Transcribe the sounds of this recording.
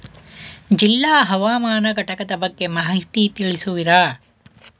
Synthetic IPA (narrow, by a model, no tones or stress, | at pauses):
d͡ʒilːaːɦɐʋaːmaːnɐɡɐʈɐkɐd̪ɐbɐɡːe̞maɦɦit̪it̪iɭisuʋiɾaː